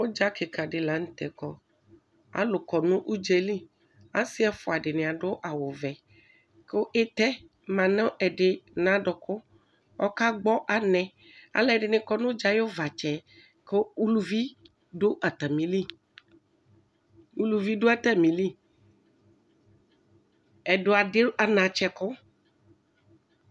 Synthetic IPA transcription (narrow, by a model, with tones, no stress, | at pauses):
wo˦d͡ʒa˦ke˨ka˨ɖɪ˨la˨˦ŋ̩˦t̪ɛ˨kɔ˦ | a̰˨lo˨kɔ˨nũ˦ʔu˦d͡ʒe˦li˦ | a˦si˦a˨fo˨a˨ɖɪ˨nẽ˨a˨ɖo˦ʔa˨wo˨vɛ˨ | kʔe˦t̪ɛ˦ | mã˨nɔ̃˦ʔɛ˨ɖe˨nã˨˦ɖɔ˨kʊ˦ | ɔ˦ka˦ɡ͡bɔ˦ʔa˨nɛ̃˨ | a̰˨lɛ˦˨ɖɪ˨nẽ˦kɔ˦nõ˦d͡ʒa˦jo˦va˨t͡ʃɛ˨ | ko˦u˦lu˦vi˦ | ɖo˦ʔa˨t̪a˨mĩ˨li˦ | wu˦lu˨vi˦ɖo˦a˦t̪ɛ˦mĩ˨li˦ | ɛ˨ɖo˦a˨ɖe˦ʔa˨nã˨t͡ʃɛ˦kʊ˦